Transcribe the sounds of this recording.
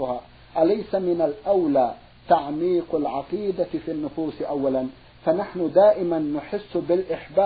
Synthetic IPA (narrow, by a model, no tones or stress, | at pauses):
ʊhaː | ʔalajsamɪnalʔawlaː | t̪aʕmiːqalʕɑqiːd̪afiːnːʊfuːsʔawːalan | fanaħnʊd̪aːʔɪmanːʊħɪsːbɪlʔɪħbaː